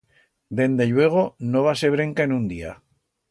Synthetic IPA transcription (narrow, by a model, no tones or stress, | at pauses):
d̪e̞nd̪e̞ʎwe̞ɣ̞o̞noβase̞β̞ɾe̞ŋkaenũnd̪ia̰